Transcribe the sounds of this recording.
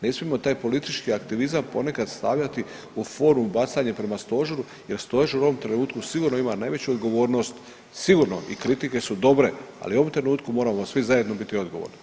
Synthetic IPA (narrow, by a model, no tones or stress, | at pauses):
ne̞smiemo̞t̪aːjpo̞lit̪it͡ʃkiakt̪iʋizampo̞ne̞kad̪st̪aːʋʎat̪i | ufo̞ːɾumbat̪saɲepɾe̞mast̪o̞ʒoɾu | je̞ɾst̪o̞ʒuoʋo̞mt̪ɾe̞nuːt̪kusiɡuɾnoimanajʋe̞t͡ɕuod̪ɡo̞ʋo̞ːɾno̞st̪ | siɡuɾno̞̰ʔḭkɾit̪ike̞sud̪o̞bɾe̞a̰liuo̞ʋomt̪ɾe̞nuːt̪kumo̞ːɾamosʋizaje̞d̪no̞bit̪io̞d̪ɡo̞ʋo̰ɾni